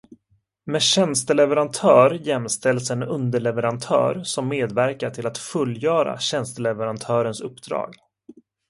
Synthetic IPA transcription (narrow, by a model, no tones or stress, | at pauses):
mɛːɕɛnst̪əlɛvɛɾant̪ʰœːɾjɛmst̪ɛlsɛnɵnd̪əɭɛvɛɾant̪ʰœ̰ːɾsɔmːeːd̪væɾkaʈʰɪlat̪fɵlːjœːɾa̰ɕɛnst̪əlɛvɛɾant̪ʰœːɾənsɵpːd̪ɾɑ̰ːɡ